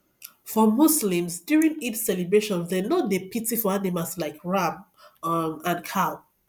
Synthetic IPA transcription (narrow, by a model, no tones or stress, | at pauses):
fɔmuslĩmsdjuɹĩŋitsɛlibɹeʃɔ̃nðɛnɔdepʰitifɔanemaslaɪkʰɹam | mãnkʰal